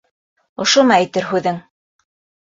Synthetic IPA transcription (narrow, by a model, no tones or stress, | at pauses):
ŏʃomɑæ̆jt̪ɘɾɦʉðɘŋ